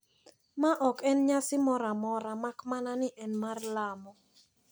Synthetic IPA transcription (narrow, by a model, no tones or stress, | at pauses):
maʔɔkɛnɲasɪmɔɾamɔɾamakmananɪʔɛnmarlamɔ